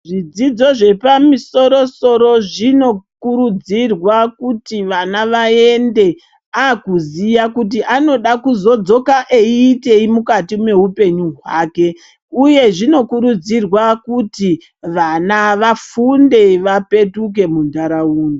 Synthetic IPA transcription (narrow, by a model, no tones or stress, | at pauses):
ʐid͡zid͡zo̞ʐe̞pamiso̞ɾo̞so̞ɾo̞ʐino̞kuɾud͡zirwakutiʋanaʋae̞nde̞ | akuzijakut̬iʔano̞ɗakuzo̞d͡zo̞kaʔeiːte̞imukatimwe̞ɦupe̞ɲuɦwaːke̞ | uje̞ʐino̞kuɾud͡zirwakuti | ʋanaʋafunde̞ʋape̞tuk̬e̞mundaɾauːne